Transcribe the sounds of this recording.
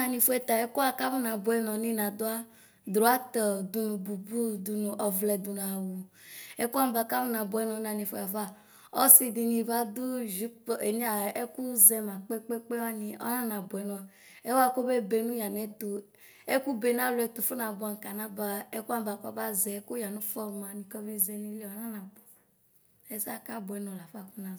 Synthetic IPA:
a˨nĩ˧fo˦ɛ˨t̪a˨ɛ˦ku˦a˦ka˦mũ˦nã˨bu˨ɛ˨nɔ̃˨nĩ˦nã˨d̪o˦a˦ | d̪ɾo˨a˦t̪ɔ˨d̪u˨nũ˨bu˨bu˦d̪u˨nũ˨ʔɔ˨vlɛ˨d̪u˨n˨a˨wu˨ | e˦ku˦a˦m˦ba˨ka˦mu˦nã˨bu˨ɛ˦nɔ̃˨˦nã˨nĩ˨fo˦a˨va˦˨ | ɔ˦si˦di˨nĩ˨va˦d̪u˦ʒi˦k͡pe˨ni˦a˨e˦ku˦zɛ˨mã˨k͡pe˦k͡pe˦k͡pe˦wa˦nĩ˨ʔɔ̰˦nɔ̃˦nã˨bo˨ɛ˨˦nɔ̃˨ | ɛ˦wa˦ko˦be˦be˧nũ˦ja˨nɛ˨tu˨ | ɛ˦ku˦be˨nã˦lu˨˦ɛ˧t̪u˨fu˦nã˧bu˨˧a˨n˨ka˨na˦ba˨ɛ˦ku˦a˦˨ba˨kɔ˦ba˦zɛ˨˦ku˦ja˨nũ˦fɔ˦ɾmã˨nĩ˨kɔ˦vi˦zɛ˧ni˧˦le˦ɔ˦nã˦nã˨bɔ˨ | ɛ˦sa˦ka˦bɛ˨˦nɔ̃˨la˨fa˦˨ku˦nã˨

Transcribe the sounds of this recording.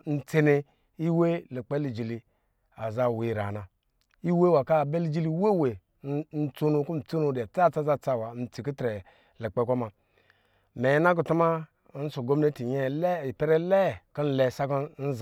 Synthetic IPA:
n̩˦t͡se˦ne˧ | i˦we˦le˨k͡pe˦li˨d͡ʒi˨li˧ | a˨za˦˨we˨ɾa˨na˨ | i˦we˦wa˨ka˦˨be˦li˦d͡ʒi˦li˦we˦we˨˦ | n̩˦t͡so˦nu˧ku˦m̩˨t͡so˦nu˦da˨t͡sa˦˨t͡sa˦za˦t͡sa˦˨wa˨n̩˨t͡si˨ku˦tɾe˨ | le˨k͡pe˦ko˦ma˨ | me˨˦na˦k̬u˨tu˦ma˦ | n̩˦so˨ɡo˦m˦ne˦ti˨ɲe˦li˨pe˦ɾe˦le˦˨ki˦n̩˦le˨sa˦kn̩˦z

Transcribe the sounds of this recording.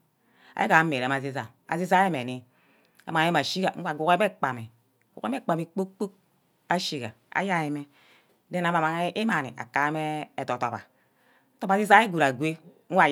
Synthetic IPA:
a̰˨je˦ka˨˦me˨ɾa˨ma˨zi˦za̰˨ | a̰˨zi˦za˦e˦me˨ni˨ | a̰˨ma˨˦e˦ma˨ʃi˦ka˨ŋ̩˦wa˨ɡu˨ke˦e˦k͡pa˨mi˨ | ɡu˨˦e˦m˦e˦k͡pa˨mi˨k͡po˦k͡po˦k̚ | a˦ʃi˦ka̰˨ | a̰˨ja˦je˨me˦ | de˦n˨a˨ma˨ma˨ŋ˦i˦ma˨nḭ˨ʔa̰˨ka˨˦me˦e˨to˨˦to̰˨pa̰˨˦ | to˦ba˨zi˦za˦e˦ɡu˨ɾa˨ɡʷe˦ | ŋ̩ʷ˦a˦˨

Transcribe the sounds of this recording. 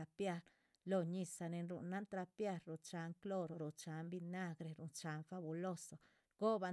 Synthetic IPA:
a˧pja˦ɾ | lo˧ɲi˧sa˧ne˧nɾṵ˨nːa˦nt̪ɾa˧pja˧ɾːo˧˨t͡ʃa˨˦ŋklo˦ɾo˨ɾo˨t͡ʃa˨˦mbi˧na˦ɡɾe˧ɾu˨nt͡ʃa˨˦nfa˧bu˧lo˦so˨ | ɡ̥o˦ba˧

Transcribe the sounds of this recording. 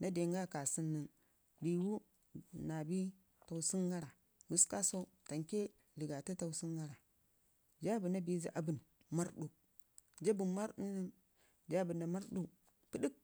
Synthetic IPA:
na˦de˨ŋɡa˦˨ka˨si˦nːə˨n | li˨wu˦ | na˨bi˦ | ta˨wsi˦ŋɡa˦ɾa˨ | wu˦ska˦so˦ | ta˨ŋke˦ | li˨ɡa˨ti˦ta˨u˦si˦ŋɡa˦ɾa˨ | d͡ʒa˦bu˨na˦bi˦zḭ˨ʔa˨bu˨n | ma˦ɾɗu˨ | d͡ʒa˦bu˨nma˦ɾu˦nːə˦n | d͡ʒa˦bu˨nːa˨ma˦ɾɗu˨ | pi˦ɗi˦k̚

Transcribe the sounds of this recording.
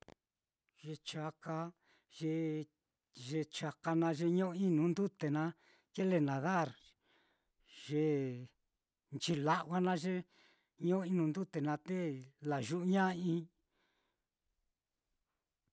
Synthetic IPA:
ʒ̥e˧t͡ʃa˧ka˧ | ʒe˧ | ʒe˧t͡ʃa˧ka˧nã˧ʒe˧ɲõ˦˧i˦nũ˨˦nd̪u˦t̪e˨nã˧˦ | ke˦le˧nã˨ða˦˨ɾ | ʒ̥e˧ | nt͡ʃi˧la˦ʔwa˦nã˦ʒe˦ | ɲõ˦i˦nũ˧nd̪u˦t̪e˨nã˧t̪e˦la˨ʒu˦ʔɲã˦ĩ˦˧

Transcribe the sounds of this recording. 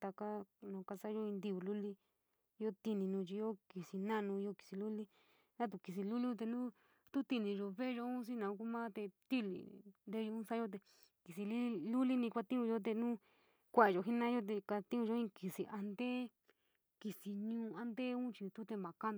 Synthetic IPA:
t̪a˧ka˦nã˨˧ka˧sa˦jo˦i˧nd̪i˧βu˧lu˦li˦ | jo˦t̪i˧nĩ˧nũː˧t͡ʃi˧jo˦ki˨si˧nã˦˧nũː˧jo˧ki̥˨si˧lu˦li˦ | ã˦t̪̬u˧ki˧s̬i˧lu˦lĩ˦˧t̪e˧nũ˦ | t̪u˦t̪i˧nĩ˧ʒo˧βe˦ʒo˧ũ˦s̬i˦nã˨ũ˧ku˦mã˦t̪e˧t̪i˦lḭ˨nd̪e˧˦ʒo˧ũ˦sa˦o˦t̪̬e˧ | ki˨si˧li˦lu˦li˦nĩ˧kʷa˧t̪ĩ˦ũ˧jo˦t̪̬e˧nũ˦ | kʷa˦˨a˧˨o˨ɦi˦nã˦jo˦t̪̬e˧ka˧t̪ĩ˦ũ˧ʒo˧˦ĩ˦ki˧si˧ʔa˧nd̪e˦ | ki˧si˧ɲũː˧˦˧a˧nd̪e˦ũ˦t͡ʃi˧t̪u˦t̪e˧mã˨˧ka˦n

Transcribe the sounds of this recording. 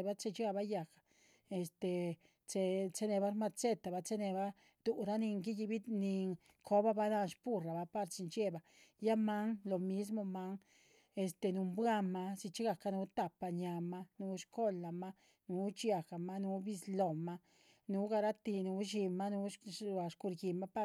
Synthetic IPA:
ba˦t͡se˧t͡ʃa˦˧ba˦ja˨ka˨ | e˧˨st̪e˨ | t͡se˧t͡se˦ne˧ba˦ɾma˧t͡se˦t̪a˨ba˧t͡se˦ne˧ba˦ | d̪̥u˨ɾa˦ni˧ŋɡi˦ji˧bi˦ni˧ | kʰo˦ba˦ba˧na˧nʃpu˧ɾa˨ba˧pa˧ɾsi˧nt͡ʃe˦ba˨ | ja˦ma˦ŋlo˨mi˦s̬mo˧ma˦ŋ | e˧˨st̪e˧˨nu˧mbwa˦ma˧si˧t͡ʃi˦ɡa˨ka˧nu˧˦t̪a˨pa˧ɲa˧ma˦nu˧˦ʃko˦la˨ma˦ | nu˨˦t͡ʃja˧ka˨ma˦nu˧˦bi˧slo˨ma˦ | nu˨˦ɡa˧ɾa˦t̪i˧nu˧˦ʃi˧ma˦nu˧˦a˧ʃku˧ɾɡi˨ma˦pa˦

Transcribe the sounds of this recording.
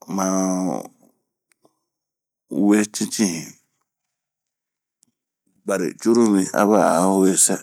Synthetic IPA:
mã˧ | we˦t͡ʃĩ˦t͡ʃĩ˦hĩ˨ | ba˨ɾḭ˨t͡ʃu˦ɾu˦mĩ˨a̰˦βa˦˨a˨˦we˦sa˦

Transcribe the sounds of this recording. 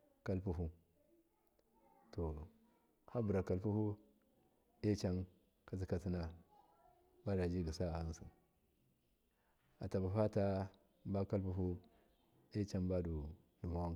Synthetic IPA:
ka˦lpu˨ɦu˦ | to˨ | ha˦bu˨ɾa˨ka˨lpu˦hu˦ | e˦t͡ʃa˦n | ka˨s̬i˦ka˨si˦na˦ | ba˦da˨d͡ʒi˦ɡi˨sa˦a˨i˦nsu˨ | a˨ta˨ba˨fa˦ta˦ | ba˦ka˦lpu˦ɦu˦ | e˦t͡ʃa˦nba˦du˨ | nu˨ma˦wa˦˨

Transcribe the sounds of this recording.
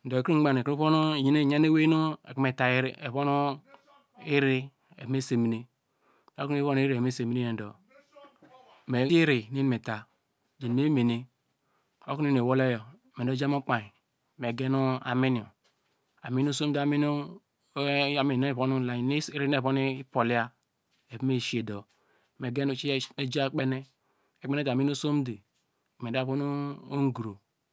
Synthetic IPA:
n̩˨do˨e˨kɾi˦ŋ͡m̩˦ɡ͡ba˦˨n˨e˨ku˦βo˦no˦˨ji˦ne˦˨ɲa˦ne˦we˦nu˦e˨kme˨ta˨˦ɾe˨βo˦nu˦ | i˦ɾi˦ | e˨˦me˦se˨mi˨ne˦˨ | o˦ku˦e˦o˦n˦i˦ɾme˦se˨mi˨ne˦e˨n̩˨do̰˨ | me˨˦i˦ɾi˨ne˦n˨me˨ta˨ | d͡ʒe˨n˨m˦e˦me˨ne˦ | o˦ku˦ni˦˨ne˨wo˦lo˦jo˨ | me˨o˦d͡ʒa˦mo˦k͡pa˨i˨ | me˨ɡe˦nu˦a̰˨mi˦n˨o˨ | a˨mi˦n˦o˦so˦mde˦a˨mi˦nu˦˨ | mi˨no˦˨po˦nu˦la˨i˨n˦ɾi˦ne˦˨po˦ni˦po˨li˦a˦ | e˨pme˦˨ʃi˦e˨do˨ | me˨ɡe˦nu˦t͡ʃi˦e˦d͡ʒa˦k͡pe˦ne˦ | e˨k͡pe˦ne˦tːmi˦n˦o˦so˦m˦de˨ | me˨da˦˨po˦n˦o˦ŋ˦ɡɾo˨

